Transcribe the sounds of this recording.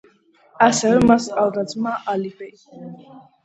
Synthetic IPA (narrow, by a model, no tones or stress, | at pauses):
asɛvɛmaskʼalˠd̪azmaʔalibʼɛ